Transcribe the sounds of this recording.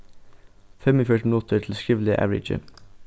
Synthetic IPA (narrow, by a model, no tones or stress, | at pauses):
fɛmɔfœʈmnʊt̪ʰətʰl̩skiːʋl̩ɪʔæ̰ʋɹɪ̰d͡ʒə̰